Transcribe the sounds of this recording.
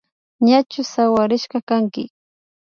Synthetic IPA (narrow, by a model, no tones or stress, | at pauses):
ɲat͡ʃʊsawaɾɪʃɢɑkaŋkɪ̰